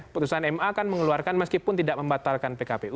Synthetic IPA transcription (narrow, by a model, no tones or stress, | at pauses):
put̪usanɛmaːkanməŋəluarkanməskipʊnt̪idaʔ̚məmbat̪alkanpekapeu